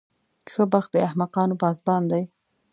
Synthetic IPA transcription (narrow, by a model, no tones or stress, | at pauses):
xəbaxt̪̚d̪əahmaqɑnopɑzbɑnd̪aj